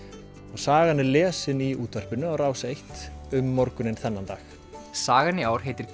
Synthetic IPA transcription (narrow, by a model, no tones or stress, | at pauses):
ɔɣsaːɣanːɪlɛːsɪniuːt̪ar̥pɪnʏawraːwsejht̪ʏmːɔɾkʏnɪnθɛnːant̪a̰ːx | saːɣanːɪaːwɾ̥ɦejt̪ɪɾ̥k